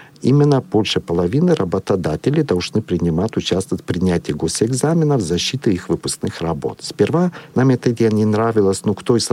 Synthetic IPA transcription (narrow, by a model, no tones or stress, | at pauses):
imʲɪnːəbolʲʂɨpəlˠɐvʲinɨɾɐbət̪ɐd̪atʲɪlʲɪd̪ɐlˠʐnɨpɾʲɪnʲɪmatʲʊt͡ɕast̪vətʲfʲpɾʲɪnʲætʲɪjəɡosɛɡzamʲɪnəvzɐɕːit̪ɨixvɨpʊ̥sknɨxrɐbo̞̰t̪sʲpʲɪrvanamɛt̪əd̪ʲanʲɪnɾavʲɪlˠəsʲnokt̪ois